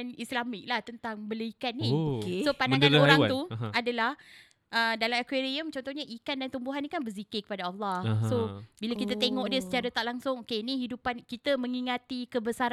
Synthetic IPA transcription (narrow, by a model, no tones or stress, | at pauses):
nislamɪk̚laht̪ənt̪aŋbələikanːikesopandaŋanoɾaŋt̪uadalah | ʔədalamakweɾiəmt͡ʃɔnt̪ɔhɲaʔikandant̪umbuɦanːikanbərzikekə̥padaalːɑsobilakit̪at̪eŋɔʔdiəsə̥t͡ʃaɾat̪aʔ̚laŋsʊŋokenĩɦidupankit̪əmə̃ŋiŋat̪ikəbəsaɾ